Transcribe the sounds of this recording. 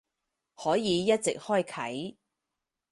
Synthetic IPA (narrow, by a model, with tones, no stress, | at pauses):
hɔː˨˥jiː˨˧jɐ˥t̚t͡sɪ̰˨k̚hɔː˥˩jkʰɐ̰˨˥j